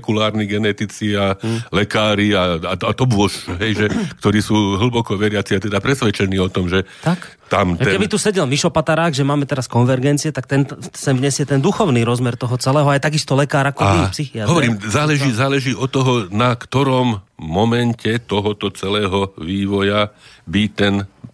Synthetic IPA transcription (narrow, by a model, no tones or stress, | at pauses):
kulaːɾniɡɛnɛt̪it͡sialɛkaːɾiaaat̪ɔbʊɔʃɦɛjʒɛk̚t̪ɔɾiːsuːɦl̩bɔkɔʋɛɾɪat͡siat̪ɛd̪apɾɛsʋɛt͡ʃɛniːɔt̪ɔmʒɛt̪ak | t̪amtɛɛkɛbit̪usɛɟɛlmiʃɔpat̪aɾaːɣʒɛmaːmɛt̪ɛɾaskɔnʋɛɾɡɛnt͡siɛt̪ak̚t̪ɛnsɛmɲɛsjɛt̪ɛnd̪uxɔʊniːɾɔzmɛɾt̪ɔɦɔt͡sɛlɛːɦɔajt̪aɡist̪ɔlɛkaːɾakɔipsixiat̪ɦɔʋɔɾiːmzaːlɛʒiːzaːlɛʒiːʔɔt̪ːɔɦɔnakt̪ɔɾɔmːɔmɛncɛt̪ɔɦɔt̪ɔt͡sɛlɛːɦɔʋiːʋɔjabit̪ɛn